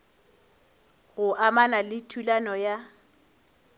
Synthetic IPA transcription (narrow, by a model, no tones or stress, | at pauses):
ɣʊʔamanalɪtʰulanɔja